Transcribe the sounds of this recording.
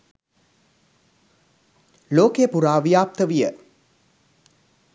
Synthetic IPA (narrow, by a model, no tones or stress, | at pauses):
loːkejəpuɾaːʋijaːp̚t̪əʋijə